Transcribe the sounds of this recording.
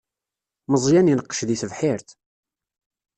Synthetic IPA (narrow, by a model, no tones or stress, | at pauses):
məzˤjænjənəqːə̥ʃðiθəvħiɾθ